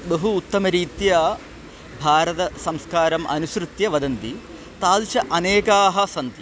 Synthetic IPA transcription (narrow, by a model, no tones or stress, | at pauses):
bɐɦuːt̪ːɐmɐɾiːt̪jɐ | bʱaːɾɐt̪ɐsɐmskaːɾɐmʔɐ̰nuʃɾut̪jɐʋɐd̪ɐnt̪i | t̪aːlʃɐʔɐneːkaːɦɐ̆sɐnt̪i